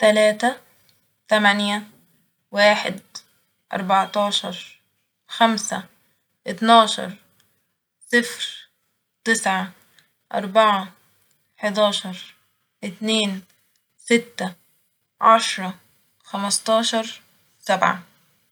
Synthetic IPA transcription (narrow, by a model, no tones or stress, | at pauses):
t̪alaːt̪a | t̪amanja | waːħɪ̰d̪ | ʔɑ̰ɾˤbɑʕt̪ɑːʃɑɾˤ | xamsa | ʔɪt̪nɑːʃɑ̰ɾˤ | sˤɪfɾ | t̪ɪsʕa | ʔɑ̰ɾˤbaʕa | ħɪd̪ɑːʃɑɾˤ | ʔɪt̪neːn | sɪt̪ːa | ʕaʃɾˤɑ | xamɑst̪ˤɑːʃɑɾˤ | sabʕa̰